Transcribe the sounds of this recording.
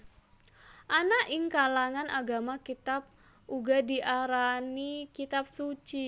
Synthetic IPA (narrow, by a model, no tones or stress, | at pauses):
ʔanaʔɪŋkalaŋanʔaɡamakit̪ap̚ | ʔuɡadiʔaɾanikit̪ap̚sut͡ʃi